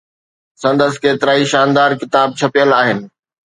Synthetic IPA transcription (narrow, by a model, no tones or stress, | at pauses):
sɐ̃nd̪əs̆keːt̪ɪɾaːiʃaːnd̪aːɾkɪt̪aːb̚t͡ɕʰɐpijəlaːɦɪnɪ̆